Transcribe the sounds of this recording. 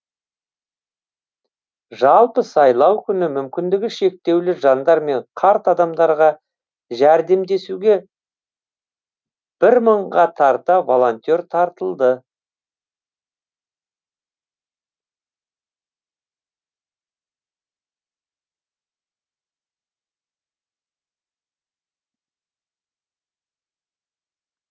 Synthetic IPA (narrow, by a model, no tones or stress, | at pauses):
ʒɑlˠpəsɑjlˠɑwkʲʰʏnɪmʏmkʲɪnd̪ɪɡʲɪʃe̞k̚t̪e̞wlɪʒɑnd̪ɑɾme̞ɴqʰɑɾt̪ɑd̪ɑmd̪ɑɾʁɑ | ʒæɾd̪e̞md̪e̞suɡʲe̞ | b̥ɪɾməɴʁɑt̪ʰɑɾt̪ɑvo̞lˠont̪ʲo̞ɾt̪ʰɑɾt̪əlˠd̪ə